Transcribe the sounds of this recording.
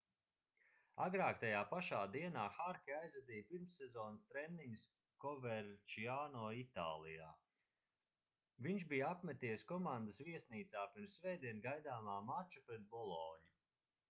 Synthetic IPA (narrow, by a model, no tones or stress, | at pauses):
a̰ɡɾaːkt̪ajaːpaʃaːd̪iɛnaːxaɾkʲiajzvad̪ijpiɾmsːɛzɔːnst̪ɾɛnːiŋɡs | kɔvɛɾt͡ʃiaːnɔːit̪a̰ːlˠija̰ː | viɲʃbijapmʲɛt̪iːjskɔmand̪əsviɛsniːt̪saːpiɾmsːvɛjd̪iɛnɡajd̪aːmaːmat͡ʃupɾɛt̪̚bɔlˠɔːɲu